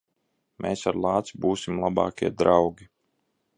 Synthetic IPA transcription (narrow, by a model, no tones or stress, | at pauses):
mʔeːsaɾlˠɑːt̪sbuːsʲimlˠabɑ̰ːkʲiɛd̪ɾawɡʲi